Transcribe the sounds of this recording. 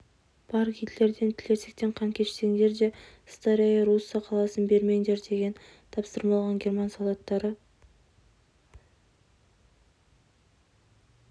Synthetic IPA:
b̥ɑɾkʲʰid̪le̞ɾd̪e̞nt̪ʰɪle̞se̞k̚t̪e̞ɴqʰɑŋkʲʰe̞ʃt̪eŋd̪e̞ɾd̪e̞ | st̪aɾʲejɑɾusːɑqʰɑlˠɑsənbe̞ɾme̞ŋd̪eɾd̪e̞ɡʲe̞n | t̪ʰɑpsəɾmɑlˠʁɑŋɡʲe̞rmɑnsolˠɑt̪ːɑɾə

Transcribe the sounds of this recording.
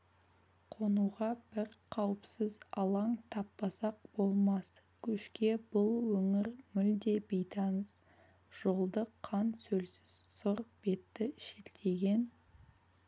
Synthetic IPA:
qʰo̞nuʁɑb̥ɪɾqʰɑwəpsəzɑlˠɑɴt̪ʰɑpːɑsɑq̚b̥o̞lˠmɑs | kʲʰʏʃkʲe̞bʊlˠwɵŋɪɾmʏld̪e̞bejt̪ʰɑnəs | ʒ̥o̞lˠd̪əqʰɑnsɵlsɪ̥z̥sʊɾb̥e̞t̪ːɪʃelt̪ʰe̞ɡʲe̞n

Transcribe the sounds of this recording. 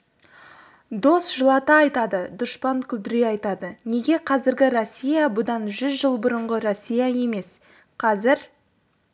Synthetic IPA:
d̪o̞sʒ̥əlˠɑt̪əɑjt̪ɑd̪əd̪ʊʃpɑŋkʲʰʏld̪ɪɾeɑjt̪ɑd̪əne̞ɡʲe̞qʰɑzɪɾɡʲɪɾosʲːijabʊd̪ɑnʒʏzʒəlˠbʊɾəɴʁəɾosʲːijaje̞me̞s | qʰɑzɪɾ

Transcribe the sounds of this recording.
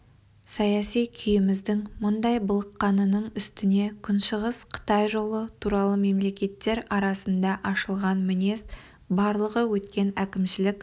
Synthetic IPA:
sɑjɑsijkʲʰʏjɪmɪzd̪ɪŋmʊnd̪ɑjbəlˠəqːɑnənəɴʏst̪ɪne̞kʲʰʏnʃəʁəsqʰə̥t̪ɑjʒo̞lˠət̪ʰuɾɑlˠəme̞mle̞kʲe̞t̪ːe̞ɾɑɾɑsənd̪ɑʔɑʃəlˠʁɑnmɪne̞s | bɑɾlˠəʁəwɵt̪kʲe̞nækʲɪmʃɪlɪkʲ

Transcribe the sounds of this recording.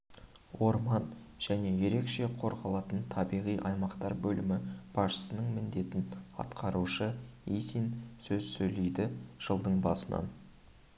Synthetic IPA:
wo̞ɾmɑn | ʒ̥æne̞je̞ɾe̞kʃe̞qʰo̞ɾʁɑlˠɑt̪ənt̪ʰɑbijʁijʔɑjmɑqt̪ɑɾbɵlɪmɪb̥ɑsʃə̥sənəɴmɪnd̪e̞t̪ɪnɑ̰t̪qʰɑɾuʃəisinsɵzsɵjle̞jd̪ɪʒ̥əlˠd̪əɴbɑsənʔɑ̰n

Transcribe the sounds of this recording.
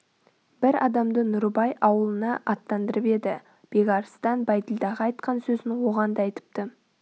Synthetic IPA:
b̥ɪɾɑd̪ɑmd̪ənʊɾbɑjʔɑwəlˠənɑʔɑt̪ːɑnd̪əɾəpe̞d̪ɪ | b̥e̞ɡɑɾst̪ɑnbɑjt̪əlˠd̪ɑʁɑɑjt̪qɑnsɵzɪnwo̞ʁɑnd̪ɑɑjt̪ə̥p̚t̪ə

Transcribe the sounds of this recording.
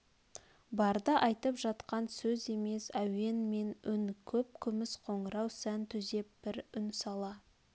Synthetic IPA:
bɑɾd̪əʔɑjt̪əpʒɑt̪qɑnsɵze̞me̞sæwe̞nme̞nʏnkʲʰɵp̚kʲʰʏmɪsqʰo̞ɴəɾɑwsænt̪ʰʏze̞p̚b̥ɪɾʏnsɑlˠɑ

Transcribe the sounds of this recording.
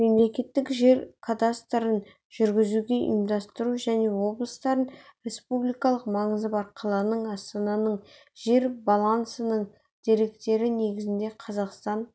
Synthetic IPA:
me̞mle̞kʲe̞t̪ːɪkʒe̞ɾkʰad̪ast̪ɾən | ʒ̥ʏɾɡʲɪzuɡʲe̞ʔḭmd̪ɑst̪əɾuʒæne̞wo̞blˠəst̪ɑɾənɾʲe̞spublijkɑlˠəqmɑɴəzəpɑɾqʰɑlˠɑnəɴɑst̪ɑnɑnəɴ | ʒe̞ɾbɑlˠɑnsənəɴ | d̪̥e̞ɾe̞kt̪e̞ɾɪne̞ɡʲɪzɪnd̪e̞qʰɑzɑqst̪ɑn

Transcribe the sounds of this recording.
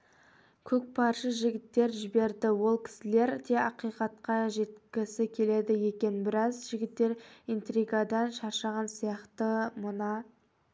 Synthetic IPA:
kʲʰɵk̚pʰɑɾʃəʒɪɡʲɪt̪ːe̞ɾʒɪbe̞ɾd̪ɪwo̞lˠkʲʰɪ̥sɪle̞ɾt̪ʰeɑqijqɑt̪̚qɑʒe̞t̪kʲɪsɪkʲʰe̞le̞d̪ɪje̞kʲe̞nbɪɾɑzʒɪɡʲɪt̪ːe̞ɾijnt̪riɡɑd̪ɑnʃɑɾʃɑʁɑnsijɑqt̪əmʊnɑ

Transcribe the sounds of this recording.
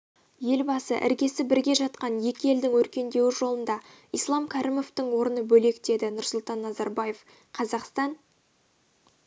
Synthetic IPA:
je̞lbɑsə̰ʔɪ̰ɾɡʲe̞sɪbɪɾɡʲe̞ʒɑt̪qɑnje̞kʲɪe̞ld̪ɪŋwɵɾkʲe̞nd̪e̞wɪʒo̞lˠənd̪ɑ | ijslˠɑmkʲʰɑɾʔimo̞ft̪ɪɴwo̞ɾənəbɵle̞kd̪e̞d̪ɪnʊɾsʊlˠt̪ɑnːɑzɑɾbɑje̞f | qʰɑzɑqst̪ɑn

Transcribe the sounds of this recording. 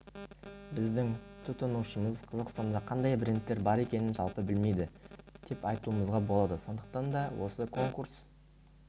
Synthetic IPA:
bɪzd̪ɪŋt̪ʰʊt̪ənuʃəməzqʰɑzɑqst̪ɑnd̪ɑqʰɑnd̪ɑjbɾʲent̪ːe̞ɾbɑɾe̞kʲe̞nɪnʒɑ̰lˠpəbɪlme̞jd̪ɪd̪̥ʰe̞pɑjt̪uəməzʁɑbo̞lˠɑd̪əso̞nd̪ə̥q̚t̪ɑnd̪ɑwʔo̞səkʰo̞ŋkurs

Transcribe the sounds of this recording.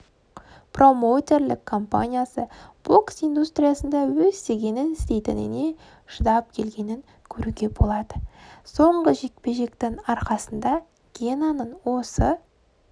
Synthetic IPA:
pro̞mo̞t̪e̞rlɪkʰːo̞mpa̰nʲijasəb̥o̞ksijnd̪ust̪rʲijasənd̪ɑwɵzːe̞ɡʲe̞nɪnɪst̪e̞jt̪ɪ̰nɪ̰ne̞ | ʒ̥əd̪ɑp̚kʲʰe̞lɡʲe̞nɪŋ | kʲʰɵɾuɡʲe̞bo̞lˠɑd̪əso̞ɴɢəʒe̞k̚pe̞ʒe̞kt̪ɪŋɑɾqɑsənd̪ɑ | ɡʲenanəɴwo̞sə

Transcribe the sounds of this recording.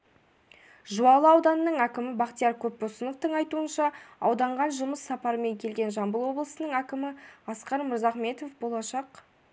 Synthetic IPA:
ʒuɑlˠəɑwd̪ɑnənəɴækʲɪmɪbɑqt̪ijɑɾkʲʰɵp̚bosənəq̚t̪əɴɑjt̪uənʃɑɑwd̪ɑɴʁɑnʒʊməsːɑpɑɾəme̞ŋkʲʰe̞lɡʲe̞nʒɑmbəlˠwo̞blˠəsənəɴækʲɪmɪɑsqɑɾməɾzɑχme̞t̪o̞fbo̞lˠɑʃɑq

